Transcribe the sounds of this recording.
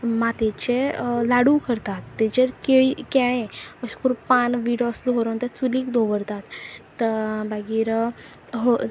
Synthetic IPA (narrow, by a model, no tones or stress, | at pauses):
mat̪et͡ɕelaɽukəɾt̪at̪ːet͡ɕəɾkeɭikɛɭẽəɕkuɾpanʋiɽosd̪ʱoɾont̪ət͡suliːkd̪ʱoʋəɽt̪at̪ː | əbaɡiːɾ | ɦo